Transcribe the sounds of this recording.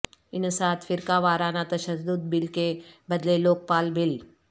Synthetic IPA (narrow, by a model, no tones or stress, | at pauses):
inəsat̪fiɾkaʋaɾanat̪əɕəsd̪uːd̪̚bilkebəd̪leloːk̚paːlbʱil